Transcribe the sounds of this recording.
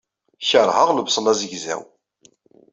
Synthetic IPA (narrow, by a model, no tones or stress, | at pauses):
çəɾˤhəʁləbsˤəlæzəʝzæ̰w